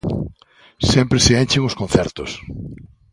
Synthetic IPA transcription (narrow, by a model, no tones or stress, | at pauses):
sempɾeseent͡ʃɪŋʊskon̟θɛɾt̪o̰s